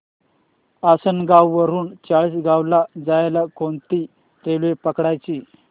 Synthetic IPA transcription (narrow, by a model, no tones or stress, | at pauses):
asənɡawːəɾuːnt͡saɭiːsɡawlad͡zajlakont̪iː | ɾelʋepəkɽajt͡ɕiː